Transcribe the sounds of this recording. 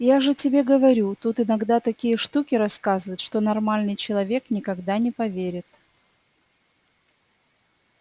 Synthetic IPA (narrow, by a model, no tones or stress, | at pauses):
jaʐɨtʲɪbʲe̞ɡəvɐɾʲut̪ut̪ɨnɐɡd̪at̪ɐkʲijəʂt̪ukʲɪɾɐskazɨvəɪt̪ʂt̪o̞nɐrmalʲnɨjt͡ɕɪlˠɐvʲe̞knʲɪkɐɡd̪anʲɪpɐvʲeɾʲɪt̪